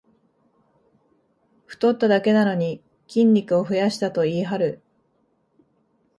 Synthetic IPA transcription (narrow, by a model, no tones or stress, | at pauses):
ɸɯ̟̥t̪o̞t̪ːad̪ake̞nano̞ɲ̟i | kʲĩnʲɾʲikɯ̟oɸɯ̟jaɕi̥t̪at̪o̞iːɦaɾɯ̟